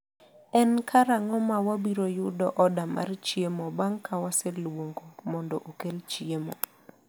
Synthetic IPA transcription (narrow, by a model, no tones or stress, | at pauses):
ɛnkʰaɾaŋɔmawabiɾojʊdɔʔɔdamʔa̰rt͡ʃiemɔbaŋkʰawaselwoŋɡomɔndɔʔokelt͡ʃiemɔ̰